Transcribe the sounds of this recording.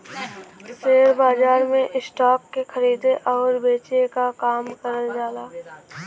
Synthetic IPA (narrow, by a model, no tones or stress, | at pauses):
seːɾbaːd͡ʒaːɾmẽʔɪsʈaːkːexəɾiːd̪eʔɔːɾbeːt͡ʃekakaːmkəɾəld͡ʒaːlaː